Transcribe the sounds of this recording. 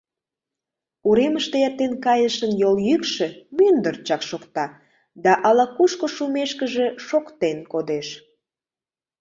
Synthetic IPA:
uɾeməʃt̪ejɑt̪ːenkɑjəʃənjoljykʃĕmynd̪ərt͡ɕɑkʃokt̪ɑ | d̪ɑʔɑlɑkuʃkoʃumeʃkəʒe̽ʃokt̪enkod̪eʃ

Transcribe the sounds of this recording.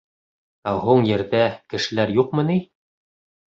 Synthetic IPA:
æɦuɴjɘ̆ɾðækɘ̆ʃɘ̆læɾjuqmɤ̆ni

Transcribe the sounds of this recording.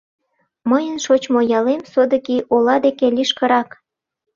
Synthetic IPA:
məjənʃot͡ɕmojɑlemsod̪ə̆kiʔolɑd̪ekelʲiʃkə̆ɾɑk

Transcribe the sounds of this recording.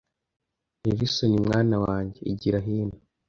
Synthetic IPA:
iβisonimŋaːnawaːɲɟe̞ḭɟiɾaɦiːna

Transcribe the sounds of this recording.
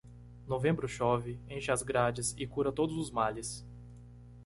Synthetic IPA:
novẽmbɾʊʃɔvɪẽʃɪazɡɾad͡ʒɪsɪkuɾɐt̪od̪ʊzʊzmalɪs

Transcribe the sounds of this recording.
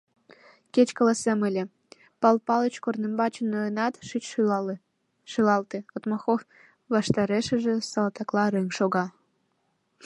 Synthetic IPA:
ket͡ɕkɑlɑseməlʲĕ | pɑlpɑlət͡ɕkornembɑt͡ɕənːojənɑt̪ʃit͡ɕ | ʃylɑlt̪ĕot̪mɑxof | βɑʃt̪ɑɾeʃə̆ʒĕsɑlɑt̪ɑklɑɾeŋʲʃoɣɑ

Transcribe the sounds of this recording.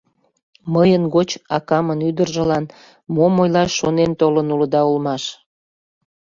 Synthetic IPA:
məjənɡot͡ɕɑkɑmənyd̪ərʒəlɑn | momojlɑʃonent̪olənuləd̪ɑulmɑʃ

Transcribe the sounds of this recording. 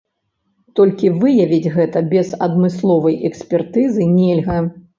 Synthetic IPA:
t̪ɔlʲkʲivɨjɐvʲid͡zʲɣɛt̪ɐbʲɛzɐd̪mɨslˠɔvɐjɛksʲpʲɛrt̪ɨzɨnʲɛlʲɣɐ

